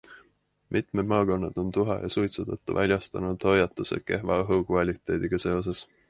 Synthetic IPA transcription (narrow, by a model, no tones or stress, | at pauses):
mʔit̪ˑmed̪̥mɑːko̞nːɑd̪̥o̞nt̪uɦɑ̰jʔɑ̰sujt̪sut̪ɑt̪ːˑṵvʔælʲjɑst̪ɑnud̪̥ho̞jɑt̪ːˑuse̞̰ke̞ɦvɑɤɦukɑlʲit̪ːˑe̞ːd̪̥iɡ̥ɑse̞o̞s̬e̞s